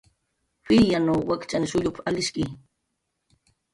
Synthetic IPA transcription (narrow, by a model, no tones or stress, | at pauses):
fɪjanawwakt͡ʃanɪʃʊʎʊpaalɪʃkɪ